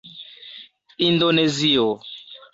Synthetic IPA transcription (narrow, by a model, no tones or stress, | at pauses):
indonezio